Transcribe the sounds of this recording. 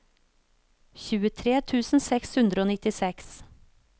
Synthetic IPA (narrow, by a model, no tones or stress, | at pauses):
çʉːət̪ʰɾeːt̪ʰʉːsn̩sɛkshʉnd̪ɾəoːnɪt̪ɪsɛks